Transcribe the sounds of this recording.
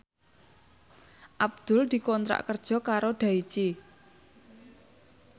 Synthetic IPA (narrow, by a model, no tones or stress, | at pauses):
ʔab̚d̪̥ʊ̤ld̪̥i̤kɔnt̪ɾa̰ʔkərd̥ʒ̥ɔ̤kaɾoɖ̪̥a̤it͡ʃi